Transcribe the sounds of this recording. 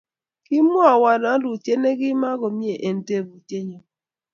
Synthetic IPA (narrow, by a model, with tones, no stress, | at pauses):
ki˦mu˦a˨wa˨na˨˦lu˨te˦ne˦ɡi˦ma˦ɡo˨mi˦e˨ʔe˨n̩˨te˦˨bu˨te˦ɲo˨